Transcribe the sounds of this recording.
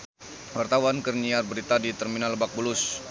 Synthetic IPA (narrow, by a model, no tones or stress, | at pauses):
wart̪awankərniarbəɾit̪adit̪ɛrminaləbak̚bulʊs